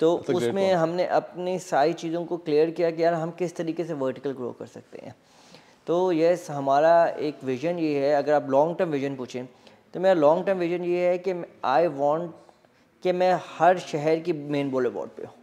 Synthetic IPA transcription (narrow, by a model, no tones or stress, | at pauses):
t̪oːʊsmẽɦɐmneʔɐpnisaːɾit͡ʃiːzõkoklijəɾkijak̬ijanaɦɐmkɪst̪ɐɾiːkeseʋəːɾʈɪkəlɡɾo̰ːkɐ̰ɾsɐk̚t̪ḛɦɛ̰̃ː | t̪oːjɛsɦɐmaːɾaeːkʋɪʒənjeɦɛɐɡəɾaːplɔ̃ːŋɡʈəɾmʋɪʒənpuːt͡ʃʰẽ | t̪omeːɾalɔːŋɡʈəɾmʋɪʒənjeɦɛkeaːiʋɔ̃ːɳʈ | kemɛ̃hɐɾʃɛɦɛɾkimẽːnboːlɛʋɔ̰ːɖ̚pḛɦũː